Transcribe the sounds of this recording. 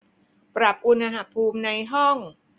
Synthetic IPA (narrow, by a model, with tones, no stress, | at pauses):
pɾa˨˩p̚ʔu˧nʔa˧ɦa˧˩pʰuː˧mna˧jɦɔ˥˩ŋ